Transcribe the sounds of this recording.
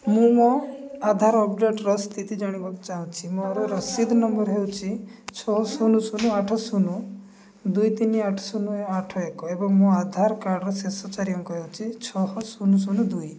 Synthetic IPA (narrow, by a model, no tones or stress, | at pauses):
mũmɔad̪ʱaɾɔpɖeʈɾɔst̪it̪id͡ʒaɽ̃ibaku̥t͡ʃaɦũt͡ʃʰimuaɾɔɾɔsid̪ʱnɔmbɔɾɦewt͡ʃʰit͡ʃʰɔɦɔsunusunuaʈʰɔsunu | d̪ujt̪iniaʈʰɔ̥sunuaʈʰɔekɔebɔŋmũad̪ʱaɾkaɾɖɔɾɔsesɔt͡ʃaɾiɔŋkɔɦewt͡ʃʰit͡ʃʰɔɦɔsunusunud̪uj